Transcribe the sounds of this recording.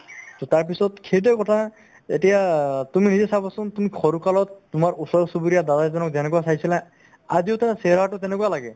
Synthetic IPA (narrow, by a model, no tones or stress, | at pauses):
t̪ɔtaɹp̬isɔt̚kʰet̬ɛkɔtʰa | ḛtijatuminizɛsabasʊ̃ntumikʰɔɹukalɔtːʊmaɹusɔɹsubuɾijad̪adazɔnɔk̚zɛnɛkɔwasajsila | aziʊtaɹsɛɾatʊtɛnɛkualaɡɛ